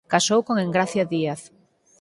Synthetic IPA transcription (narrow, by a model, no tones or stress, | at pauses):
kasowkoŋeŋɡɾaθjaðiaθ